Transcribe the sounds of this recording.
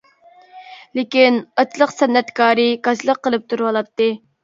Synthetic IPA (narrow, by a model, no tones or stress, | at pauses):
lekʲinɑt͡ʃʰlˠəqsɛnːɛt̪kʰɑːɾɨkɑt͡ʃlˠəqːəlˠɨp̚t̪ʰuɾwɑlˠɑt̪ːɨ